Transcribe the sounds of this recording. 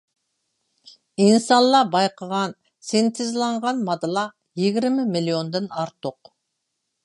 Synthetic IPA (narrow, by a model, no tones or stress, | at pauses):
insɑllˠːɑbɑjqʰəʁɑn | sent̪ʰɪzlˠɑɴʁɑnmɑd̪lˠɑ | jeɡʲɪɾmɪmiliond̪ɪnɑɾt̪ʊq